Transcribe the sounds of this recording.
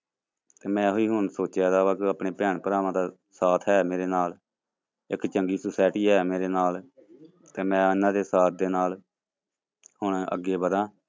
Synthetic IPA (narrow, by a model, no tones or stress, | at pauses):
t̪eːmɛ̃ːɦoiːɦʊɳsoːt͡ʃɛːd̪aːbaːkəpɳeːpɛːɳpəɾaːʋãːd̪aː | saːt̪ʰɦɛːmeːɾeːnaːl | ɪkt͡ʃəŋɡiːsʊsaːɪʈiːɦɛːmeːɾeːnaːl | t̪eːmɛ̃ːɪnãːd̪eːsaːt̪̚ʰd̪eːnaːl | hʊɳə̰ɡːeːbəd̪ãː